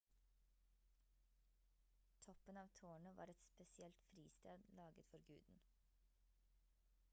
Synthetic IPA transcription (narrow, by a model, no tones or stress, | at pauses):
t̪ʰɔpənɑːʋt̪ʰoːɳəʋɑ̰ːɾɛt̪spɛsɪɛlt̪fɾiːst̪eːd̪lɑːɡət̪fɔɾɡʉːd̪n̩